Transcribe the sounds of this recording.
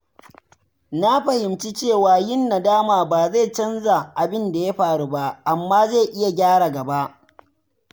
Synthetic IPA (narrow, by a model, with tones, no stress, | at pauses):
na˦ɸɐ˨hɪ˨mt͡ʃi˦t͡ʃeː˦˨waː˨jɪ˦nːa˨daː˦maː˨baː˨za˦˨t͡ʃɐ˦nza˨ʔa˨bɪ˦nda˨ja˦ɸaː˨ɽu˦ba˦ʔa˨mːaː˦za˦˨ʔɪ˦ja˨ɡʲaː˦ɽa˨ɡɐ˨ba˦ʔ